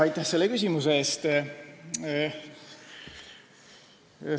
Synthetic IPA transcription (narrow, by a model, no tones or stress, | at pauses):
ɑjt̪ːˑæhse̞lːekys̬ʲimuseeːst̪